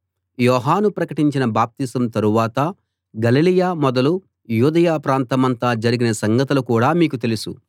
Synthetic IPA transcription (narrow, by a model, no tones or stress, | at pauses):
jɔːɦaːnupɾɐkɐʈiɲt͡ʃinɐbaːp̚t̪isɐmt̪ɐɾuʋaːt̪ɐ | ɡɐlilijaːmɔd̪ɐlu | juːd̪ɐjaːpɾaːnt̪ɐmɐnt̪aːd͡ʒɐɾiɡinɐsɐŋɡɐt̪ulukuːɽaːmiːkut̪e̞lusu